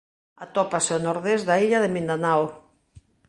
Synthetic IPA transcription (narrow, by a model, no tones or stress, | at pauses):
at̪ɔpaseonoɾðezðaiʎaðemĩnd̪anaw